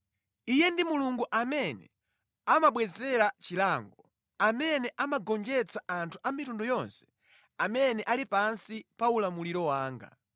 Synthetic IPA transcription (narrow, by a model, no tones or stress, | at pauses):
ijɛndimuluŋɡuʔamɛnɛ̰ | amaɓwɛzɛɾat͡ʃilaːŋɡɔ | amɛnɛʔamaɡɔnd͡ʒɛt͡sʰaʔantʰuʔamitundɔjɔnsɛ̥ | amɛnɛʔalipansipaulamuliɾɔwaːŋɡa̰